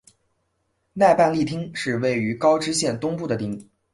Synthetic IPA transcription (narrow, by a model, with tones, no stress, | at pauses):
na˥˧ɪpa˥˧nli˥˩t̪ʰi˥ŋʂɻ̩˥˧we˥˩ɪy˧˥kɑ˥ʊʈ͡ʂɻ̩˥ɕjɛ˥˩nt̪ʊ˥ŋpu˥˩d̪ə˩t̪i˥˩˦ŋ